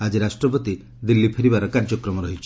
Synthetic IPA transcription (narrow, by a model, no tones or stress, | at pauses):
ad͡ʒiɾasʈɾɔp̬ɔt̪i | d̪ilːipʰeɾibaɾɔkaɾd͡ʒɔkɾɔmɔɾɔɦit͡ʃʰ